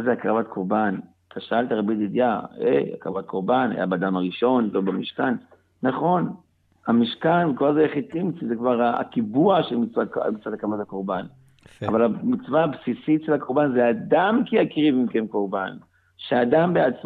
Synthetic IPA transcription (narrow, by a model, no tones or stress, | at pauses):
azeakʁavat̪kʰoʁban | t̪ʰaʃaalt̪aʁebid̪id̪jaeja̰kʁa̰vat̪kʰoʁbanha̰ja̰bead̪amaʁiʃo̞nlobamiʃkanː | aχo̞n | amiʃkanvekolazejaχitimisizekvaʁaa̰kibuaʃelmit͡sva̰mit͡svat̪akʁavat̪akoʁban | a̰valamit͡svaabsisitʃelhakoʁbanzead̪amkiakʁivimkemkoʁban | ʃead̪ambeat͡s